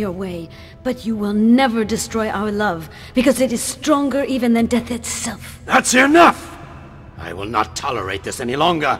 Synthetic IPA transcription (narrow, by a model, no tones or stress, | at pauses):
jə˞weɪ | b̥ʌt͡ʃɨwɪlˠnɛvə˞dɨstɹ̥ɔɪʔa̰ʊə˞lʌv | b̥ɨkʌzɨɾɨz̥stɹ̥ɔ̃ŋɡə˞ʔivɨ̃nðɨ̃ndɛθɨtsɛlˠf | ðætsəɹɨnʌf | ʔa̰ɪwɪ̰lˠnə̰tʰɑlˠə̰˞ḛɪt̪̚ðɪsɛnilɔ̃ŋɡə˞